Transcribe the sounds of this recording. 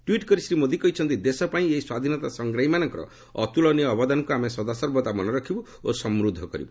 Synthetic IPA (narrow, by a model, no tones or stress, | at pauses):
ʈwiʈkɔɾisɾimod̪ikɔɦit͡ʃʰɔnt̪id̪esɔpaĩeiswad̪ʱinɔt̪asɔŋɡɾaɦimanɔŋkɔɾɔ̰ | ɔt̪ulɔnijɔːbɔd̪anɔkuameswɔd̪asɔɾbɔt̪amɔnɔɾɔkʰibɔ | osɔmɾud̪ʱːɔkɔɾḭbɔ